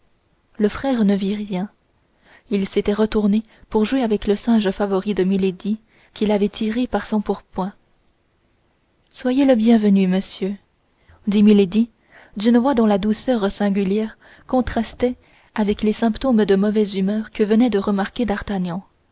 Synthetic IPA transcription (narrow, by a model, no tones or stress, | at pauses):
ləfχɛːʁnəviʁjɛ̃ | ilset̪ɛʁət̪uʁne | puʁʒweavɛkləsɛ̃ʒəfavɔʁid̪əmiled̪i | kʲilavɛt̪ʰiʁepaʁsɔ̃puʁpwɛ̃ | swajeləbjɛ̃vənyməsjø | d̪imiled̪i | d̪ynəvwad̪ɔ̃lad̪usœʁsɛ̃ɡʲyljɛʁ | kɔ̃t̪χast̪ɛ | avɛklesɛ̃pt̪omd̪əmɔvɛzymœːʁkəvənɛd̪əʁəmaʁkʲed̪aʁt̪aɲjɑ̃